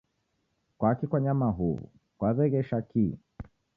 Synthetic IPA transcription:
kwakikwaɲamaɦuvṵ | kwaðɛɣɛʃaki

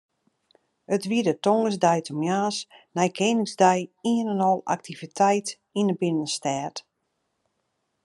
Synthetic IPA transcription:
ətʋiədətoŋɡəs̬dɛjtʰɔmjaːsnɛjkʰeːnɪŋzdɛjiənənɔlˠa̰k̚tʰivitʰɛjt | inəbɪnənstɛːt

